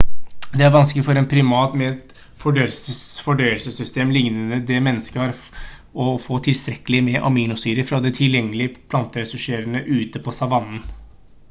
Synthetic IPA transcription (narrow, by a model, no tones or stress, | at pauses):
d̪ɛæɾʋɑnsklɪfɔɾɛnpʰɾɪmɑːt̪mɛt̪ | fɔɖœsfɔɖœʏəlsəsʏst̪eːmlɪŋnənəd̪ɛmɛnːəskəhɑɾ | ɔfoːt̪ʰɪlst̪ɾɛkəlɪmɛʔɑ̰miːnʊst̪yːɾəfɾɑd̪ɛt̪ʰɪljɛŋːəlɪəpʰlɑnt̪əɾɛsʉʂeːɾənəʔʉːt̪əpʰɔsɑʋɑnːn̩